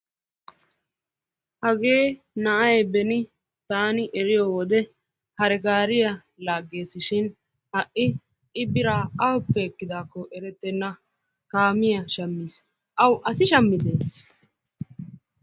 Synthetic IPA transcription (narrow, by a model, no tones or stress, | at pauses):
hɐɡe̞ː | nɐʔɐjbɛnɪ | t̪aːnɪʔɛɾɪjoːwɔd̪ɛ | hɐɾɛɡaːɾɪjɐ | laːɡːe̞ːsɪʃɪn | hɐʔɪ | ɪbɪɾaːɐɔpːɛːkːɪd̪aːkːɔʔɛɾɛt̪ːɛnːɐ | kaːmɪjɐʃɐmːiːs | ʔɐwʔɐsɪʃɐmːɪd̪eːs